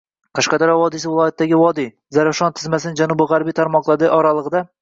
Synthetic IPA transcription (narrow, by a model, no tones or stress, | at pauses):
qʰɑʃqɑd̪aɾavɒd̪ɪsɪvɪlˠɒjat̪ʰːd̪aɡʲɪvɒd̪i | zaɾafʃɒnt̪ʰɪzmasɪnɪd͡ʒanʊbɪʁaɾbijt̪ʰaɾmɒqlˠad̪ɪʔɒɾalˠɨʁɨd̪a